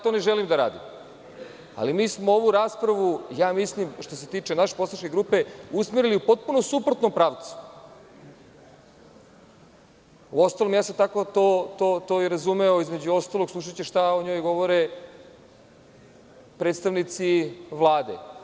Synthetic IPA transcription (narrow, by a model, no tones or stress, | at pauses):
t̪o̞ːneʒelimd̪aɾa̰ːd̪ḭm | a̰limiːsmooʋuɾaːspɾaʋujaːmislimʃt̪o̞se̞t̪iːt͡ʃenaʃe̥posaʃkeɡɾuːpeusmiɾiliupo̞t̪̚punosupɾot̪no̞mpɾaːʋt̪su̥ | uo̞st̪alomjaːset̪ako̞t̪ot̪ot̪oːiɾazumeoizme̞d͡ʑuo̞st̪alˠoɡslˠuʃ̬at͡ɕeʃt̪aoɲo̞jɡo̞ʋoɾe | pɾeːt̪st̪aʋnit̪siʋlˠaːd̪ḛ